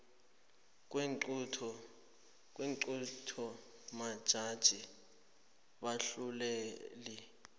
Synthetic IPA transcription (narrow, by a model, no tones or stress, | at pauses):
k̬ʼwtʰɔ | k̬weŋǀutʰɔ | mad̥ʒ̥ʱad̥ʒ̥ʱi | ɓaɬulɛːli